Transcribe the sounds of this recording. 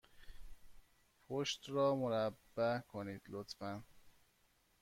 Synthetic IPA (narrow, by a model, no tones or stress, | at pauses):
pʰoʃt̪ɾɒːmoɾæbːækʰoniːd̪̥lot̪fæn